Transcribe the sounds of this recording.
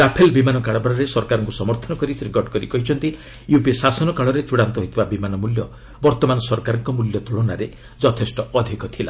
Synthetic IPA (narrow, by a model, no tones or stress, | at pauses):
ɾapʰelbimanɔkaɭɔbɾɔɾesɔɾkaɾɔŋkusɔmɔɾt̪ʰɔnɔkɔɾisiɡɔʈkɔɾḭkɔɦit͡ʃʰɔnt̪i | jupisasɔnɔkaɭɔɾet͡ʃuɽant̪ɔɦit̪ʰibabimanɔmuljɔ | bɔɾt̪ɔmanɔsɔɾkaɾɔŋkɔmuljɔt̪uɭɔnaɾe | d͡ʒɔt̪ʰesʈɔɔd̪ʱikɔt̪ʰila̰